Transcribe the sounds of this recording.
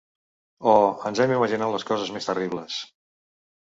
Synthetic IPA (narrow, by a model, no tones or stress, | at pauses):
ɔənzɛmiməʒinat̪ləskɔzəzmest̪əriβləs